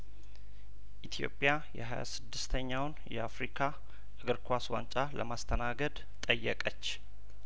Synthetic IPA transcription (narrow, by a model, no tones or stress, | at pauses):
ʔit̪ʰjo̞̰pʼjajɛɦaja̰sɨd̪ːɨst̪ʰəɲːawnjɛafɾikʰa | ʔɨɡɨɾkʰwaswa̰nt͡ʃʼaləmast̪ʰənaɡəd̪ | t̪ʼəjːəkʼət͡ʃː